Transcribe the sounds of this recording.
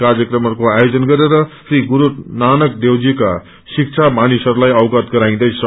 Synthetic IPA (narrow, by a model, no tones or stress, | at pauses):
karjʌkrʌmʌɾkoajod͡zʌnɡʌɾeɾʌsiɡuɾunanʌk̚d̪ewd͡zika | sik̚t͡ʃʰamanisʌɾulajʌwɡʌt̪ɡʌɾaĩd̪ʌjsʌ